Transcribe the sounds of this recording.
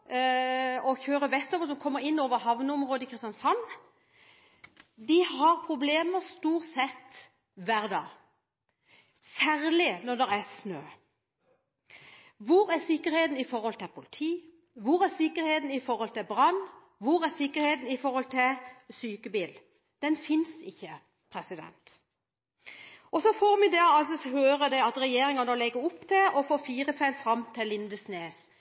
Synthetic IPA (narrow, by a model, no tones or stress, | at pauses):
ɔçøːɾəʋɛst̪ɔːʋəs̬ɔmkʰɔmːəɾɪnːoːʋəɾhɑʋnəɔmʁoːd̪əkʰɾɪst̪jɑnsɑnː | d̪ɪhɑɾpʰɾʊbleːməɾst̪uːɾt̪sɛt̪ː | ʋæːɾd̪ɑ̰ː | sæːɾlɪnɔʁd̪ɛɾæsnøː | ʋʊɾæɾsɪkːəɾheːt̪n̩ɪfɔɾhɔlt̪ʰɪlpʰʊlɪt̪ʰiː | ʋʊɾæɾsɪkːəɾheːt̪n̩ɪfɔɾhɔlt̪ɪbʁɑn | ʋʊɾæɾsɪkːəɾheːt̪n̩ɪfɔɾhɔlt̪ʰɪsyːkəbiːl | d̪̥ɛnfɪnsɪçːə | pʰɾɛsɪd̪ɛ̰nt̪ | ɔsɔfoːɾmɪd̪ɛɑlsɔhøːɾəd̪ɛɑt̪ɾɛjeːɾɪŋɑnəlɛɡəʊpːt̪ʰɛʔɔfoːfiːɾəfæɪlfɾɑmt̪ʰɪlɪnd̪əsneːs